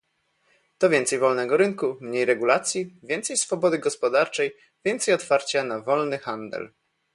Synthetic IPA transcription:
t̪ɔvʲjɛnt̪sɛjvɔlnɛɡɔɾɘnkumɲejɾɛɡulat̪sʲjivʲjɛnt̪sɛjsfɔbɔd̪ɘɡɔspɔd̪aɾt͡ʂɛj | vʲjɛnt̪sɛjɔt̪faɾt͡ɕanavɔlnɘxand̪ɛ̰l

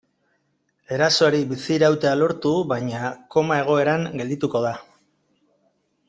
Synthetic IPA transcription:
e̞ɾaso̞aɾibisiɾawt̪e̞alo̞ɾt̪uβaɲako̞mae̞ɣ̞o̞e̞ɾaŋɡe̞ld̪it̪uko̞ð̞a

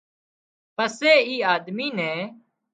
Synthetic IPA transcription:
pəseːiːaːd̪miːnɛ̃ː

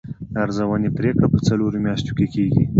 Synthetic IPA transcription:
aɾzawanet̪ɾekapət͡saloɾomjɑʃt̪okekeɡḭ

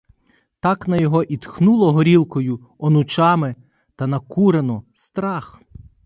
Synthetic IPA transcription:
t̪ɑknɐjɔɦɔʔit̪xnulˠɔɦɔɾʲilˠkɔjʊ | ɔnʊt͡ʃɑmɪ | t̪ɐnɐkuɾenɔst̪ɾɑx

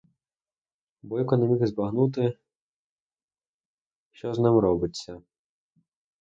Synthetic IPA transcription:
bɔjkɔnemʲixzbɐɦnut̪ɪ | ʃt͡ʃɔznɪmrɔbɪt͡sʲːɐ

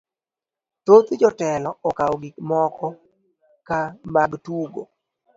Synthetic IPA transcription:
tot̪d͡ʒɔtɛlɔɔkaoɡɪkmɔkɔ | kamaɡtuɡo

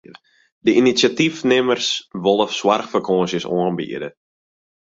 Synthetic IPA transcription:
dəʔinisatifnɪmərsʋɔlˠəfswarxfərkʰɔːnsjəsoənbḭːədə

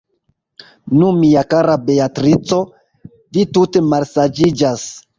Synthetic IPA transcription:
numiakaɾabe̞atɾit͡so̞ | vitute̞malsad͡ʒid͡ʒas

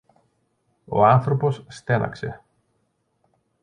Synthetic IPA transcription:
o̞̰ɐnθɾo̞po̞sːt̪e̞nɐ̰kse̞

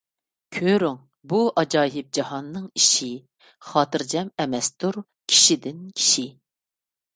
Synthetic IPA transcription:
kʲʰøɾʊŋ | buʔɑd͡ʒɑːɦɪp̚d͡ʒɑɦɑnːɨŋiʃi | χɑːt̪ɨɾd͡ʒɛmɛmɛst̪ʰuɾ | kʲʰi̥ʃid̪ɪnkʲʰi̥ʃi

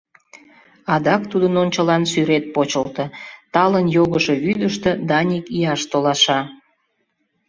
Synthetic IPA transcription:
ɑd̪ɑkt̪ud̪ənonʲt͡ɕəlɑnsyɾet̪̚pot͡ɕəlt̪ə̆t̪ɑlənjoɣəʃeβyd̪əʃt̪ĕd̪ɑnʲikijɑʃt̪olɑʃɑ

